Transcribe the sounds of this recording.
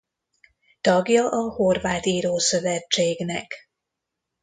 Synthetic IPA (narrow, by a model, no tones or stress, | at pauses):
t̪ɒɡjɒʔɒhorvaːt̪iːɾoːsøvɛt͡ʃːeːɡnɛ̰k